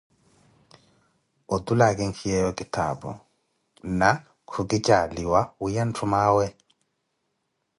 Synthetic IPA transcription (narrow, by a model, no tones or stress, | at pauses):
ɔdulaɡɛŋkʰijɛjɔkitʰa̰bɔ̰ | na | kʰuɡit͡ʃaliwawujantʰumawɛ